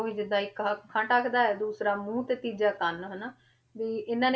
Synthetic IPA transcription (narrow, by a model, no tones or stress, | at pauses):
ʋĩːd͡ʒɪd̪aːɪkkkʰə̃ʈakʰd̪aːɛːd̪uːsɾaːmũːt̪eːt̪iːd͡ʒaːkənɦənaː | d̪iːʔɪnːãːne